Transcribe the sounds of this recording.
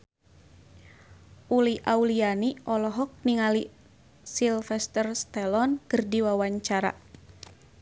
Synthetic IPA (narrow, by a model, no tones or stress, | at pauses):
uliʔaulianiʔɔlɔɦɔk̚niŋali | silfɛst̪ərst̪ɛlɔnkɨrdiwawaɲt͡ʃaɾa̰